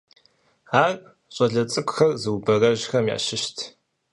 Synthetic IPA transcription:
aːr | ɕʼɐɮɐt͡sʼɨkʷʼʊxɐrzɨwbɐrɐʑxɐmja̰ːʃɪʃtʰ

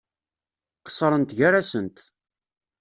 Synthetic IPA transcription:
qə̥sˤːəɾˤənt̪ʝaɾæsənt̪

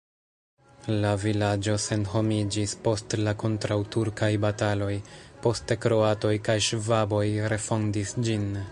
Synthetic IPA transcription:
lavilad͡ʒo̞se̞nho̞mid͡ʒispo̞stlako̞ntɾawtuɾkajbatalo̞jpo̞ste̞kɾo̞ato̞jkajʃvabo̞jɾe̞fo̞ndisd͡ʒin

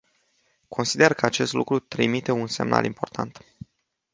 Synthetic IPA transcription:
kʰo̞nsid̪e̞rkəat͡ʃe̞st̪lṵkɾut̪ɾimit̪e̞unse̞̰mnʔa̰lʔimpo̞rt̪ʰant̪

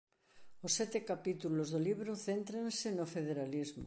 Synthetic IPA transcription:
osːɛt̪ekapit̪ulozðoliβɾoθent̪ɾansenofeð̞eɾalizmo̰

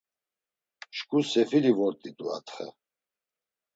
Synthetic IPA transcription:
ʃkʼusɛfilivɔɾt̪ʼid̪ʼua̰t̪ʰχɛ̰

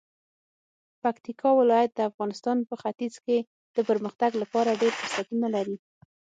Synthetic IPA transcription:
pakt̪ikʰɑwɪlɑjat̪̚d̪əafɣɑnɪst̪ɑnpəxat̪izke | d̪̥əpəɾməxt̪aɡlapɑɾaɖeɾfəsat̪unalaɾi

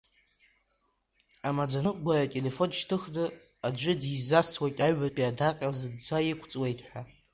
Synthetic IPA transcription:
amad͡zanɨɡʷaratʲʼele̞fo̞nʃtʰɨχdɨ | ad͡ʒʷʏdizastʰwajtʼaɥapʼiadakʼazɨdd͡zajikʷʰt͡sʼwe̞jtʰʼħʷᶣa

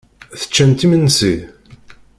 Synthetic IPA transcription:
θə̥t͡ʃːænt̪imənːsið

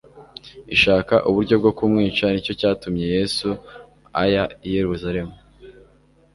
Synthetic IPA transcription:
iʃaːkaʔuβuɾɟo̞b̚ɡo̞kumŋiːt͡ʃanico̞caːtumɲe̞je̞ːsu | ajaije̞ɾuzaɾe̞mu

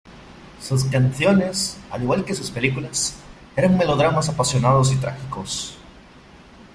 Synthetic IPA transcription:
sus̬kanθjo̞nesa̰liɣwalkesuspe̞likulas | eɾaŋme̞lo̞ð̞ɾamas̬apasjonaðos̬it̪ɾa̰xikos

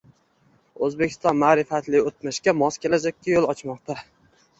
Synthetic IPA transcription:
ɵzbekʲʰɪ̥st̪ɒnmaːɾɪfat̪lɪot̪mɪʃkʲamɒskʲʰelad͡ʒakʲːajolˠɒt͡ʃmɒqt̪ʰa

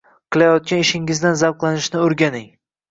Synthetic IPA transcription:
qʰɨlˠajɒt̪̚kʲanɪʃɪŋɪzd̪anzavqlˠanɪʃnɪoɾɡʲanɪŋ

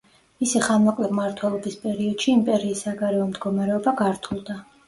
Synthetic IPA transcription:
misiχanmɔkʼlɛbmaɾt̪ʰwɛlˠɔbispʼɛɾiɔd̪̥ʃiːmpʼɛɾiːsːaɡaɾɛɔmd̪ɡɔmaɾɛɔbaɡaɾt̪ʰulˠd̪a

